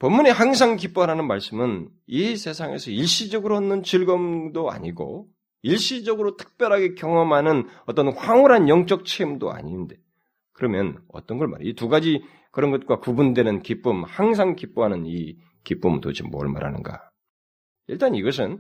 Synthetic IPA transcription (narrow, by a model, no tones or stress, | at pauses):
pʌmːuɲihaŋs̬ʰaŋkip͈ʌɾɦanɯnmaɭs͈ɯmɯn | isʰe̞sʰaŋe̞̰sʰʌiɭɕ͈id͡ʑʌɡɯɾoʌnːɯnt͡ɕiɭɡʌmdoa̰ɲiɡo̰ | iɭɕ͈id͡ʑʌɡɯɾotʰɯ̥k̚p͈jʌɾɦaɡe̞kjʌŋʌmɦanɯnʌt͈ʌnɸwaŋuɾɦanjʌŋt͡ɕ͈ʌk̚t͡ɕʰemdo̰a̰ɲinde | kɯɾʌmjʌnʌ̰t͈ʌnɡʌɭma̰ɾituɡad͡ʑi | kɯɾʌnɡʌt̚k͈wakubundwe̞nɯnkip͈ɯmhaŋs̬ʰaŋkip͈oɦanɯni | kip͈ɯmto̰d͡ʑimo̰ɭma̰ɾa̰nɯ̰nɡa̰ | iɭt͈aniɡʌs̬ʰɯn